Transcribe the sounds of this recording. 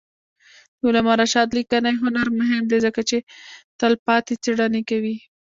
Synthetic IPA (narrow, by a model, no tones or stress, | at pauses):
ʊlamɑɾaʃɑd̪likanajɦʊnaɾmʊɦɪmd̪ezəkat͡ʃet̪əlpɑt̪et͡seɽanekawi